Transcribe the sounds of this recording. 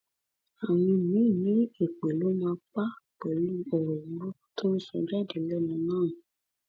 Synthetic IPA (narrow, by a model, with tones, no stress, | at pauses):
a˨mĩ˧nĩ˨˦˨nĩ˨˦e˨k͡pe˨lo˦m˦ã˧k͡pa˦k͡pe˨lu˦o˨ɾo˨wo˦ | tũ˦sɔ̰˧˨d͡ʒɛ˦˨de˨lɛ˦nũ˧nãː˦˨nũ˨